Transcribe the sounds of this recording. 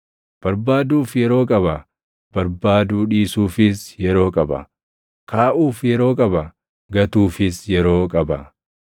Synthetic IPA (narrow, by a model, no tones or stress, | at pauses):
b̥ɐɾbaːd̪uːfjɛɾo̞ːkʼɐbɐ | b̥ɐɾbaːd̪uːᶑiːsuːfɪsjɛɾo̞ːkʼɐbɐ̰ | kʰaːʔuːfjɛɾo̞ːkʼɐbɐ | ɡɐt̪uːfɪsjɛɾo̞ːkʼɐbɐ